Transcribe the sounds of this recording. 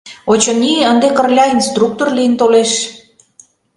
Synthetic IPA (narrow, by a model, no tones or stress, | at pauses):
ot͡ɕoniənd̪ekə̆rlʲɑinst̪ruk̚t̪orlijənt̪oleʃ